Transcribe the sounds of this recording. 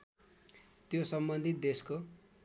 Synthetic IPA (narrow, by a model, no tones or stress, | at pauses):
t̪josʌmbʌnd̪ʱit̪̚d̪esko